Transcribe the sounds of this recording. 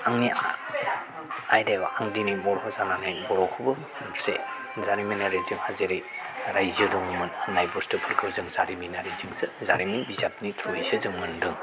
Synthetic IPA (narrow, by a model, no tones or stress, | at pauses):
aŋnia | ajdebaaŋdinijmɔɾɦɔzananajmɔɾɔkʰɯbɯ | se | zaɾiminaɾizɯŋhazeɾɯjɾajzɯdɔŋmɯnnajbɔstɯpʰɯɾkʰɯzɯŋzaɾiminaɾizɯŋzɯzaɾimibizap̚nitʰɾujzɯzɯŋmɯndɯŋ